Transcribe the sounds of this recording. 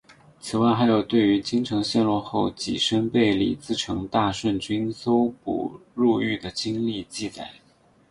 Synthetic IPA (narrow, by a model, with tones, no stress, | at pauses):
t͡sʰɹ̩˨˩wa˥˩ɪxa˧˥ɪjo˨˩ʊt̪we˥˩ɪy˧˥t͡ɕi˥ŋʈ͡ʂʰɤ˧˥ŋɕjɛ˥˧nlwɔ˥˧xo˥˩ʊt͡ɕḭ˨˩ʂə˥npe˥˩ɪlḭ˨˩t͡sɹ̩˥˩ʈ͡ʂʰɤ˧˥ŋt̪a˥˧ʂwə˥˩nt͡ɕy˥nso˥ʊpṵ˨˩ɻu˥˧y˥˩d̪ə˩t͡ɕi˥ŋli˥˧t͡ɕi˥˧t͡sa˨˩ɪ